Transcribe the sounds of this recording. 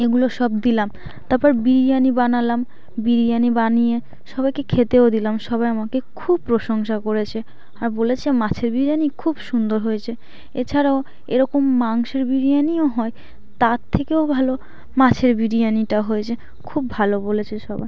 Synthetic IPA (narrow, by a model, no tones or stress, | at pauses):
eɡuloʃɔb̚d̪ilam | t̪aɾpɔɾbiɾijanibanalam | biɾijanibanije | ʃɔbajkekʰet̪eod̪ilamʃɔbajamakekʰub̚pːɾoʃoŋʃakoɾet͡ɕʰe | aɾbolet͡ɕʰemat͡ɕʰeɾbiɾianikʰubʃund̪oɾɦojet͡ɕʰe | et͡ɕʰaɾao | eɾɔkomːaŋʃeɾbiɾijanioɦɔe | t̪aɾt̪ʰːekeobʱalo | mat͡ɕʰeɾbiɾijaniʈaɦojet͡ɕʰe | kʰubːʱalobolet͡ɕʰeʃɔba̰j